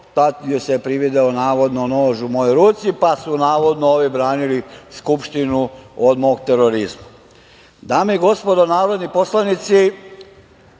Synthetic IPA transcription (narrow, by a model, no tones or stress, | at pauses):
t̪at̪iosepɾiʋid̪eonaːʋo̞d̪nonoːʒumojojɾuːt̪sipasunaːʋo̞d̪nooːʋibɾaːniliskupʃt̪inuod̪moːɡ̚t̪eɾoɾizma | d̪aːmeiɡo̞spo̞d̪onaːɾo̞d̪niposlˠanit̪si